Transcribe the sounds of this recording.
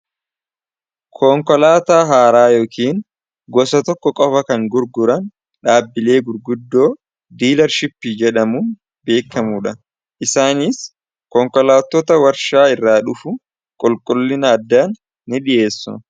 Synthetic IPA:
kʰɔŋkɔlaːt̪aːɦaːɾaːjo̞ːkʰiːn | ɡɔsɐt̪ɔkːɔkʼɔfɐkɐŋɡʊɾɡʊɾɐn | ᶑaːbːɪle̞ːɡʊɾɡʊd̪ːo̞ː | d̪iːlɐɾʃɪpːid͡ʒɛᶑɐmuːn | be̞ːkːɐmuːᶑɐ | ʔɪsaːnɪs | kɔŋkɔlaːt̪ːɔt̪ɐwɐɾʃaːɪrːaːᶑʊfʊ | kʼɔlkʼʊlːɪnɐːd̪ːaːnː | ɪᶑɪʔe̞ːsːʊ̰

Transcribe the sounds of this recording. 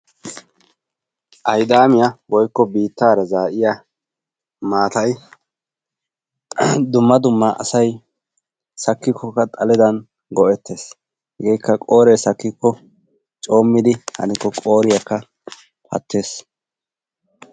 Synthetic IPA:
ʔɐjd̪aːmɪjɐwɔjkːɔbiːt̪ːaːɾɐzaːʔɪja | maːt̪ɐj | d̪ʊmːɐd̪ʊmːɐʔɐ̰sɐj | sɐkːɪkʰːɔkːɐt̪ʼɐlɛd̪ɐn | ɡɔʔɛt̪ːe̞ːs | hɛɡejkːɐkʼoːɾejsɐkːɪkːɔ | t͡ʃʼo̞ːmːɪd̪ɪhɐ̰nɪkːɔkʼo̞ːɾɪjɐkːɐ | pʰɐ̰t̪ʰːe̞ːs

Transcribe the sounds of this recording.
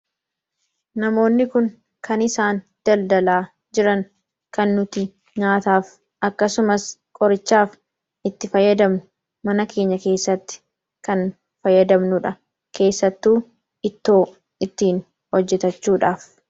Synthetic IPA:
nɐmo̞ːnːɪkʊŋ | kʰɐnɪsaːn | d̪̥ɐld̪ɐlaː | d͡ʒɪɾɐŋ | kɐnːʊt̪ɪ | ɲaːt̪aːf | ʔɐkːɐsʊmɐskʼɔɾɪt͡ʃːaːf | ɪt̪ːɪfɐjːɐd̪ɐmnʊ | mɐnɐkʰe̞ːɲːɐke̞ːsːɐt̪ːɪ̥ | kɐn | fɐjːɐd̪ɐmnʊᶑɐ | ke̞ːsːɐt̪ːuː | ɪt̪ːo̞ː | ɪt̪ːiːn | hɔd͡ʒːɛt̪ɐt͡ʃːuːᶑaːf

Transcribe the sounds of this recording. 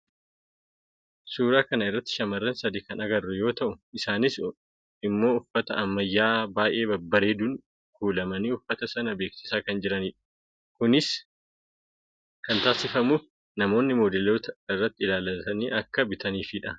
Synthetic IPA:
suːɾaːkɐnɐɪrːɐt̪ːɪ̥ʃɐmɐrːɐnsɐd̪ikɐnɐɡɐrːʊjo̞ːt̪ɐʔʊɪsaːnɪs | ɪmːo̞ːʊfːɐt̪ɐɐmːɐjːaːbaːjʔe̞ːbɐbːɐɾeːd̪un | kuːlɐmɐniːʊfːɐt̪ɐsɐnɐbe̞ːksɪ̥saːkɐnd͡ʒɪɾɐniːᶑɐ̥ | kʊnɪs | kɐnt̪aːsɪfɐmuːf | nɐmo̞ːnːɪmoːd̪ɛlo̞ːt̪ɐɪrːɐt̪ːɪɪlaːlɐt̪ɐniːʔɐkːɐbɪt̪ɐniːfiᶑɐ

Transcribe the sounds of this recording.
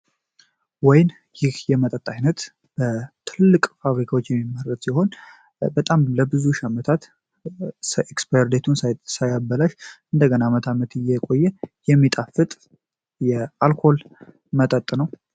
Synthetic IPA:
wɔjn | jɪhjɛmət̪ʼət̪ʼːajnət̪ | b̥ət̪ʰɨlɨlːɨkʼfaβɾikʰawot͡ʃːjɛmːimːəɾət̪siɦo̞n | bət̪ʼamləbɨzuʃamət̪ʰat̪ | sʔekspeɾd̪et̪ʰunsasajabːəlaʃɨnd̪əɡənamət̪ʰamət̪ɨjːɛkʼo̞jːɛjɛmːit̪ʼafɨt̪ʼ | jɛalkʰo̞l | mət̪ʼət̪ʼnəw

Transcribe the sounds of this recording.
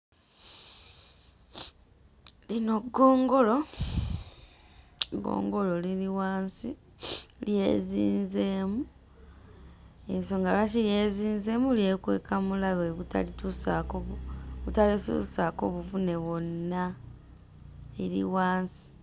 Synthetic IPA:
lino̞ɡːo̞ːŋɡo̞lo̞ | ɡo̞̰ːŋɡo̞lo̞liliwaːnsi | lje̞̰ːziːnze̞ːmu | enso̞ŋɡalacilje̞ːziːnze̞ːmulje̞kwe̞̰ːkamulaβeβuta̰litusakoβutalisṵsako̞̰βuvune̞βo̞nːa | eɾḭwaːnsi̥

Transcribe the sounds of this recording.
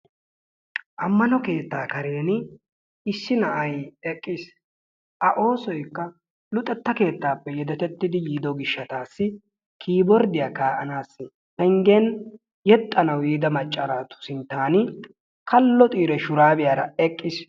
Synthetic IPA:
ʔɐmːɐnɔke̞ːt̪ːaːkɐɾeːnɪ | ɪsːɪnɐʔɐjɛkʼːɪs | ʔɐʔo̞ːsɔjkːɐ | lʊt̪ʼːɛt̪ːɐke̞ːt̪ːaːpːɛjɛd̪ɛt̪ɛt̪ːɪd̪ɪjiːd̪ɔɡɪʃːɐt̪aːsːɪ | kʰiːbɔɾd̪ɪjaːkaːʔɐnaːsːɪ | tɛŋɡen | jɛt̪ʼːɐnɐwiːd̪ɐmɐt͡ʃʼːɐɾaːt̪ʊ̥sɪnt̪ːaːnɪ | kɐlːɔt̪ʼiːɾɛʃʊɾaːbɪjaːɾɐɛkʼːɪs

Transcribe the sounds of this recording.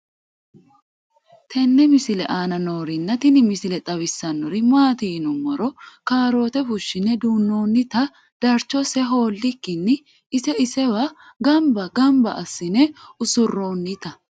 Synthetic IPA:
t̪ʰɛnːɛmɪsɪlɛ̰ʔaːnɐno̞ːɾɪnːɐt̪ɪnɪmɪsɪlɛt̪ʼɐβɪsːɐnːɔɾɪmaːt̪iːnʊmɔɾɔkaːɾo̞ːt̪ɛfʊʃːɪnɛd̪uːnːo̞ːnːɪt̪ɐ | d̪̥ɐɾt͡ʃːɔsɛɦo̞ːlːɪkːɪnːɪː | sɛɪsɛwa | ɡɐmbɐɡɐmbɐʔɐsːɪnɛʊsʊrːo̞ːnːɪt̪ɐ

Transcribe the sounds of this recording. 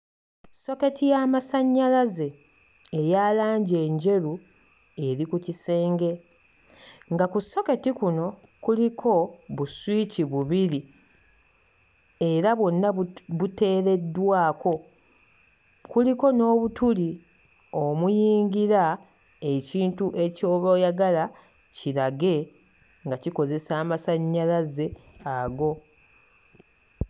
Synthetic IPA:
so̞ke̞tijamasaɲːalaze̞ː | jaːlaːɲɟe̞ːɲɟe̞ɾu | e̞ɾikucise̞ːŋɡe̞ | ŋɡakusːo̞ke̞tikuno̞ | kulikʰo̞βuswiciβuβiɾi | e̞ɾaβonːaute̞ːɾe̞dːwaːko̞ | kuliko̞no̞ːβutuli | o̞mujiːŋɡiɾa | e̞ciːntuʔe̞co̞ːβojaɡala | ciɾaɡe̞ | ŋɡaciko̞ze̞saːmasaɲːalaze̞aɡo̞

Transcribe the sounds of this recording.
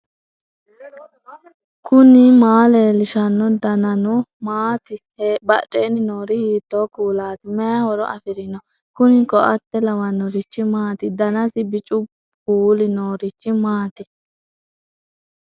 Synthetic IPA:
kʰʊnɪmaːleːlɪʃɐnːɔd̪ɐnɐnʊmaːt̪ɪ | bɐʔʼeːnɪnoːɾɪhiːt̪ːoːkuːlaːt̪ɪmɛjɐhɔɾɔ̰ʔɐ̰fɪɾɪnɔ | kʊnɪkɔʔɐt̪ːɛlɐwɐnːɔɾɪt͡ʃːɪmaːt̪ɪd̪ɐnɐsɪbɪt͡ʃʼʊ | kuːlɪnoːɾɪt͡ʃːɪmaːt̪ɪ

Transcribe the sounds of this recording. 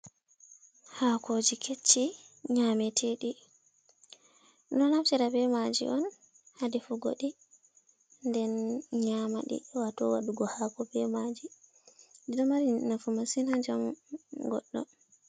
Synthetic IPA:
hakod͡ʒikʰet͡ʃːi | ɲamɛtʰɛɗi | nɔlaft͡ʃiɾabɛmad͡ʒḭʔɔn | hadifuɡo̰ɗi | ndɛnɲama̰ɗḭwatɔ̰wa̰ɗuɡɔhakɔbɛmad͡ʒi | diɗɔmaɾinafumasinad͡ʒamɡɔ̰ɗːɔ̰

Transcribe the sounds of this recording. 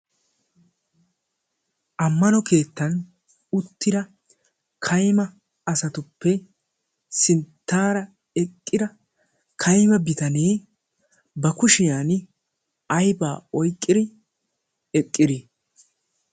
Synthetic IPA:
ʔɐmːɐnɔke̞ːt̪ːɐn | ʊt̪ːɪd̪ɐ | kʰɐjmɐ | ɐsɐt̪ʊpːɛ | sɪnt̪ːaːɾɐ | ɛkʼːɪd̪ɐ | kʰɐjmɐbɪt̪ɐne̞ː | bɐkʊʃɪjaːn | ɐjbaːɔjkʼːɪd̪ɪ | ɛkʼːɪd̪ɪ

